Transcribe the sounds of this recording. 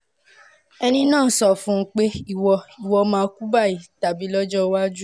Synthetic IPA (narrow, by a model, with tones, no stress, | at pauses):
ɛ˧nĩ˧nãː˦˨˦sɔ˦˨fũ˦k͡pe˦i˦wɔ˧i˨wɔ˧mãː˧˦ku˦ba˦˨i˨ta˨bi˨˦lɔ˦d͡ʒɔ˦˧wa˦d͡ʒu˦